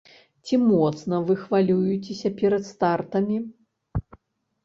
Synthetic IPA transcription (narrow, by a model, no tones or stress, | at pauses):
t͡sʲimɔt̪snɐvɨxvalʲujut͡sʲesʲɐpʲɛɾɐt̪st̪art̪ɐmʲi